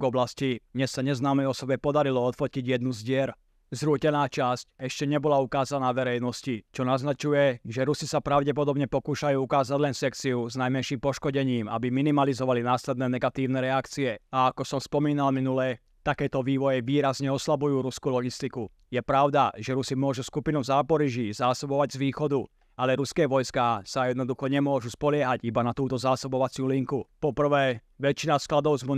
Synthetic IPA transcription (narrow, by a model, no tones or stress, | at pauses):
ɡɔblascid̪ɲɛsːaɲɛznaːmɛjɔsɔbɛpɔd̪aɾilɔɔt̪fɔciɟjɛd̪nuzɟɪɛɾ | zɾuːcɛnaːt͡ʃascɛʃcɛɲɛbɔlaukaːzanaːʋɛɾɛjnɔscit͡ʃɔnaznat͡ʃujɛʒɛɾusisapɾaʊɟɛp̬ɔd̪ɔbɲɛpɔkuːʃajuːukaːzaɟlɛnsɛkt͡siuznajmɛnʃiːmpɔʃkɔɟɛɲiːma̰biminimalizɔʋalinaːslɛd̪nɛːnɛɡat̪iːʊnɛːɾɛakt͡siɛaakɔsɔmspɔmiːnalminulɛː | t̪akɛːt̪ɔʋiːʋɔjɛʋiːɾazɲɛɔslabujuːɾuskuːlɔɡist̪iku | jɛpɾaʊd̪aʒɛɾusimʊɔʒuskupinuzaːpɔɾiʒizaːsɔbɔʋaɟzʋiːxɔd̪u | alɛɾuskɛːʋɔjskasajɛd̪nɔd̪uxɔɲɛmʊɔʒuspɔlɪɛɦaɟibanat̪uːt̪ɔzaːsɔbɔʋat͡sɪuliŋkupɔpr̩ʋɛː | ʋɛt͡ʃinasklad̪ɔʊzmu